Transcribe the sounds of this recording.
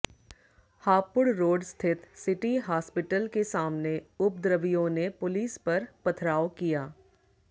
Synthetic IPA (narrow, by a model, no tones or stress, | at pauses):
haːpʊɽɾoːɖst̪ʰɪt̪sɪʈiɦaːspɪʈəlkesaːmneʊb̚d̪ɾəʋijõnepʊliːspɐɾpɐt̪ʰɾaːokijaː